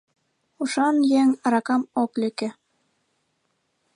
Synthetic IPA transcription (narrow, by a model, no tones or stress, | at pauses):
uʃɑnjɛŋɑɾɑkɑmoklɘ̆kɘ̆